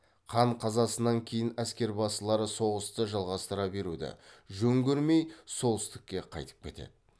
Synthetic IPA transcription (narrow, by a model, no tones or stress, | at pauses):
qʰɑɴqʰɑzɑsənɑŋkʲʰe̞jɪnæskʲe̞ɾbɑsəlˠɑɾəso̞ʁəst̪əʒɑlˠʁɑst̪əɾɑbe̞ɾud̪ɪ̰ʒɵŋɡʲeɾme̞jso̞lˠɪ̥st̪ɪ̥kʲːe̞qʰɑ̰jt̪ə̥p̚kʲʰe̞t̪e̞̰d̪ɪ